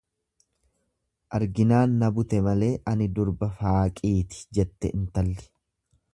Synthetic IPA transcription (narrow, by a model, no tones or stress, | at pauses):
ʔɐɾɡɪnaːnːɐbʊt̪ɛmɐle̞ːʔɐnɪd̪ʊɾbɐfaːkʼiːt̪ɪ̥d͡ʒɛt̪ːɛʔɪnt̪ɐlːɛ̥